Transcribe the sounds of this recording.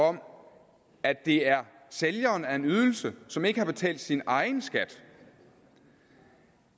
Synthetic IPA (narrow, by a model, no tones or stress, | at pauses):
ɒ̽m | ædd̥e̝æɐ | seljɐːnæe̝nyð̞ˠl̩səsɒ̽me̝ɡ̥əhɑ̈b̥e̝t͡sʰɛ̰ːld̥sinɑ̈ɪnsɡ̥æd̥